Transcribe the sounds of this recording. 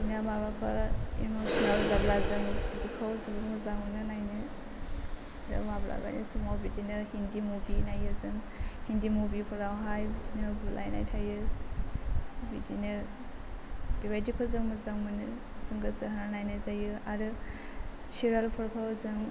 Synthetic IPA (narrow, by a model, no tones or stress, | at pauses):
bidinamabapʰa̰ɾimosinalzablazɯŋbidikʰawzɯbɯmɯzaŋunɯnajnɯ | ɾɯ̰mabla̰ba̰jnisumawbidinɯhindimubinajɯzɯŋ | hindimubipʰɯɾawɦajbidinɯbulʔa̰jna̰jtʰajɯ | bidinɯ | b̥ibajdikʰawzɯŋmɯzaŋmɯnɯ | z̥ɯŋɡɯsɯɦnanajnɯzajɯaɾɯ | siɾalpʰɯɾkʰawzɯŋ